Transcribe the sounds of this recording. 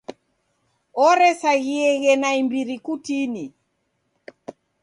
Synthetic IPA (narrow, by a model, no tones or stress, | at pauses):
ɔɾɛsaɣiɛɣɛnaimbiɾikutini